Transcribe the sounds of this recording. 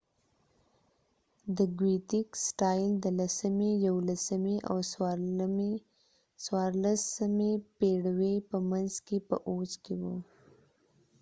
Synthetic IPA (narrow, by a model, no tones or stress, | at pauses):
d̪əɡwit̪ɪksʈɑjld̪əlasəmejawolasəmeʔa̰wswɾ | swɑɾlasəmepeɽwepəmanzkepə̰ʔoskewu